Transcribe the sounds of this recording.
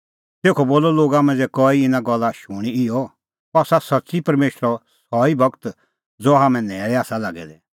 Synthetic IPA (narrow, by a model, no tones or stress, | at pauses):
t̪eːkʰɔboːlɔloːɡamɛ̃d͡zɛkɔːiɪnaɡɔlːaʃʊɽ̃iɪjɔ | pɔsasɐtːsipɐɾmeːʃɾɔsɔːibʱɐkt̪ | d͡zoːɦaːmɛ̃nɛːɾɛaːsalaːɡɛ̰d̪ɛ